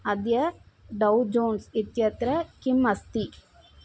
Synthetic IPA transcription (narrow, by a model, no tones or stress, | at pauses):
ɐd̪jɐɖɐwd͡ʒoːnsit̪jɐt̪ɾɐkimɐst̪i